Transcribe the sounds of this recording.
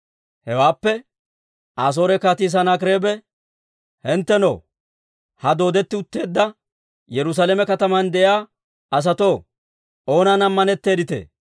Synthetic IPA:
hɛwaːpːɛ | ʔaːs̬o̞ːɾɛkaːt̪iːs̬ɐnakɾe̞ːbɛ | hɛnt̪ːɛno̰ː | hɐd̪o̞ːd̪ɛt̪ːɪʊt̪ːe̞ːd̪ːɐ | jɛɾʊs̬alɛmɛkɐt̪ɐmɐnd̪ɛʔjaː | ɐs̬ɐt̪o̞ː | ʔo̞ːnanɐmːɐnɛt̪ːe̞ːd̪ɪt̪ḛː

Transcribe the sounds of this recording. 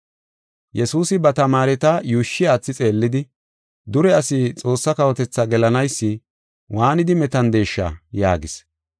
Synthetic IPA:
jɛsuːsɪbɐt̪ɐmaːɾɛt̪ɐjuːʃːɪjaːt͡sːɪt͡sʼe̞ːlːɪd̪ɪ | d̪ʊɾɛɐsɪt͡sʼo̞ːsːɐkɐwɔt̪ɛt͡sːɐɡɛlɐnɐjsːɪ | waːnɪd̪ɪmɛt̪ɐnd̪e̞ːʃːɐ̰ja̰ːɡɪs

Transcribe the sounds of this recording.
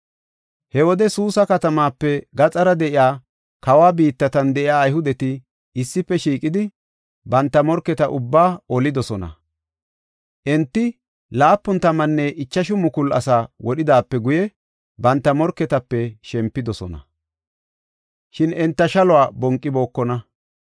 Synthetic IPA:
hɛwɔd̪ɛsuːsɐkɐt̪ɐmaːpːɛɡɐt͡sʼɐɾɐd̪ɛʔɪjaː | kɐwaːbiːt̪ːɐt̪ɐnd̪ɛʔɪjaːjhʊd̪ɛt̪ɪ | ɪsːɪpːɛʃiːkʼɪd̪ɪ | bɐnt̪ːɐmɔɾkːɛt̪ɐʔʊbːaːɔlɪd̪ɔsɔnɐ̰ | ʔɛnt̪ːɪ | laːpːʊnt̪ɐmɐnːɛʔɪt͡ʃːɐʃʊmʊkʊlɐ̰saːwɔɗɪd̪aːpːɛɡʊjɛ | bɐnt̪ːɐmɔɾkːɛt̪ɐpːɛʃɛmpːɪd̪ɔsɔnɐ̰ | ʃɪnɛnt̪ːɐʃɐlɔwaːbɔŋkʼːɪbo̞ːkːɔnɐ

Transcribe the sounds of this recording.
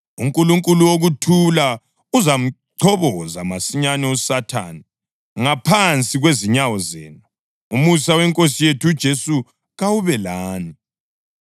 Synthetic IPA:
uŋkʼuluŋkʼuluwoɣutʰula | uzam̩ǀʰɔβɔza̰masiɲanɛɔsatʰa̰ːni | ŋapʰant͡sʼiɣweziɲawɔzɛ̰ːna | umusawɛŋkʼosijetʰud̥ʒ̥ʱesu | ɣawuβɛlaːni

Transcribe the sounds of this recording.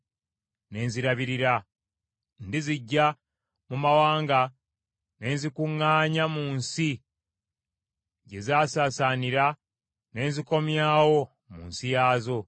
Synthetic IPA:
ne̞ːnziɾaβiɾiɾa | ndiziɟːa | mumawaːŋɡa | ne̞ːnzikuŋːaːɲamuːnsi | ɟe̞zaːsaːsaːniɾa | ne̞ːnziko̞mjaːwo̞ | mṵːnsijaːzo̞

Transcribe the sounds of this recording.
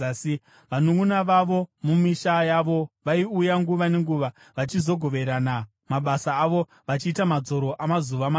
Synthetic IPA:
i | ʋanuŋunaʋaʋo̞mumiʃajaʋo̞ʋaiujaŋɡuʋane̞ŋɡuʋa | ʋat͡ʃizo̞ɡʱo̞ʋe̞ɾana | maɓasaːʋo | ʋat͡ʃiːtamad͡zo̞ɾo̞ʔamazuʋama

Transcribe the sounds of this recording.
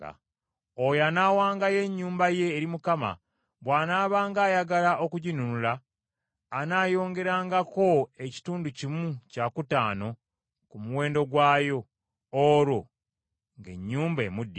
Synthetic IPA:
a̰ | ojanaːwaːŋɡaje̞ɲːuːmbaje̞ːɾimukama̰ | βwaːnaːβaːŋɡaːjaɡalaʔo̞kuɟinunulaː | naːjo̞ːŋɡe̞ɾaːŋɡako̞e̞ci̥tuːnducimucaːkutaːno̞ | kumuwe̞ːndo̞ɡwaːjo̞ː | ɾo̞ | ŋɡe̞̰ɲːuːmbḛmudːi

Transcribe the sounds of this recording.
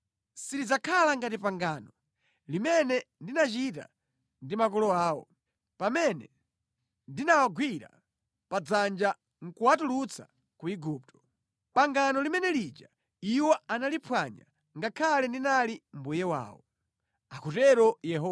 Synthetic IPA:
silid͡zakʰalaŋɡatipaŋɡaːnɔ | limɛnɛndinat͡ʃita̰ | ndimakɔlɔaːwɔ̰ | pamɛnɛ | ndinawaɡwiɾa̰ | pad͡zand͡ʒa | ŋ̩kuwatulut͡sʰḁ̰ | kuiɡup̚tʰɔ̥ | paŋɡanɔlimɛnɛlid͡ʒa | iwɔanalipʰwaɲa̰ | ŋɡakʰalɛndinalim̩bujɛwa̰ːwɔ̰ | akʰutɛɾɔjɛɦɔ

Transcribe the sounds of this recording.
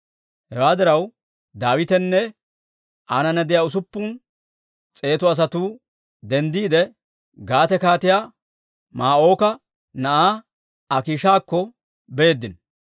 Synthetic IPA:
hɛwaːd̪ɪɾɐw | d̪aːwɪt̪ɛnːɛ | ʔaːnɐnɛd̪ɪjaːʊs̬ʊpːʊn | t͡sʼe̞ːt̪ɔɐs̬ɐt̪uː | d̪ɛnd̪iːd̪ɛ | ɡaːt̪ɛkaːt̪ɪjaː | maːʔo̞ːkɐ | nɐʔaː | ɐkiːʃaːkːɔ | be̞ːd̪ːɪn

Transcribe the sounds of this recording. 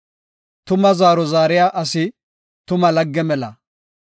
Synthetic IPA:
t̪ʊmɐzaːɾɔzaːɾɪjaːʔɐsɪ | t̪ʊmɐlɐɡːɛmɛlɐ̰

